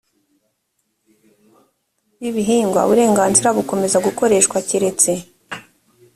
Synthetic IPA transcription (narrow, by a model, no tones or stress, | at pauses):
jiβiɦiːŋɡwa̰βuɾe̞ːŋɡaːnziɾaβuko̞me̞zaɡuko̞ɾe̞ːʃkwaciɾe̞t͡se̞